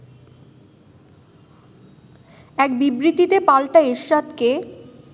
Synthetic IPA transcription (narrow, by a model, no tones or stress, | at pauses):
ɛk̚bibɾit̪it̪epalʈaeʃːad̪ke